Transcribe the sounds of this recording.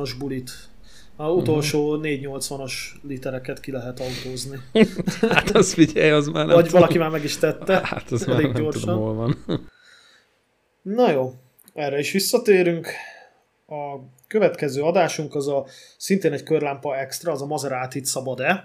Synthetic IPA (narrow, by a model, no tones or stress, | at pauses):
oʒbulit̪ | ɒzut̪o̞lʃoːneːɟɲo̞lt̪sʋɒno̞ʃlit̪ɛɾɛkɛt̪kilɛɦɛt̪ɒut̪oːzni | at̪ɒzfiɟɛjɒzmaːnvɒɟvɒlɒkimaːrmɛɡiʃt̪ɛt̪ːɛa̰t̪ɒzɛleːɡɟo̞rʃɒnolvɒn | nojoː | ɛrːɛiʃʋisːɒt̪eːɾyŋk | ɒ | køvɛt̪kɛzøːɒd̪aːʃuŋkɒzɒsint̪eːnɛckørlaːmpɒɛkst̪rɒːzɒmɒzɛɾaːt̪it̪sɒbɒd̪ɛ